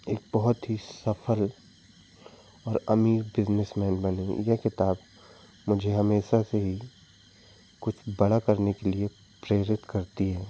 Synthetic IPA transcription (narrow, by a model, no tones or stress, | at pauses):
eːk̚bɔɦʊt̪ɦisɐfʰəl | ɔːɾɐmibɪznɪsmɛːnbɐnejekɪt̪aːb | mʊd͡ʒʱeɦɐmeːʃaseɦi | kʊt͡ʃʰbɐɽakɐɾnekelie | pɾeːɾɪt̪kɐɾt̪iɦɛː